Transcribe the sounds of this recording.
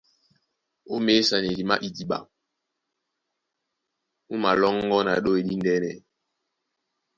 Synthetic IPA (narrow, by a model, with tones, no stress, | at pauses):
o˦me˦sa˨ne˨li˨ma̰˦ʔi˨di˨ɓa̰˨ŋ | u˦ma˨lɔ˦ŋ˦ɡɔ˦na̰˨ɗo˦e˨ɗi˦n˦dɛ˦nɛ̰˨